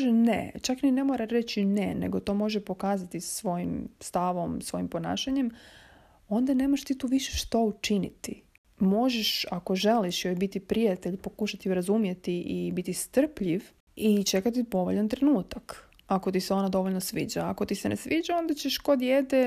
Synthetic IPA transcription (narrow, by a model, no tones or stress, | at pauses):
ʒenḛt͡ʃaknine̞moɾaɾe̞t͡ɕinḛnḛɡo̞t̪o̞ːmo̞ʒepo̞kaːzat̪isʋo̞jimst̪aʋo̞msʋo̞jimpo̞na̰ːʃaɲe̞m | o̞nd̪ane̞ːmoʃt̪iːt̪uːʋiʃe̥ʃt̪out͡ʃinḭt̪i | mo̞ʒeʃako̞ʒe̞liʃjojbit̪ipɾijat̪eʎpo̞kuʃat̪iuɾazumje̞t̪iʔibit̪ist̪r̩pʎiʋ | it͡ʃe̞kat̪̬ipo̞ʋoʎant̪ɾenuːt̪ak | ako̞t̪iseo̞nad̪o̞ʋoʎnosʋḭːd͡ʑaːko̞t̪isenʔḛsʋiːd͡ʑao̞nd̪at͡ɕeʃko̞d̪jed̪e